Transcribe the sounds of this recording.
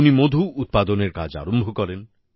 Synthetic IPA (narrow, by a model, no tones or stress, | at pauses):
nimod̪ʱuʔːt̪̚pad̪ɔneɾka̰d͡ʒa̰ɾombʱɔkɔɾen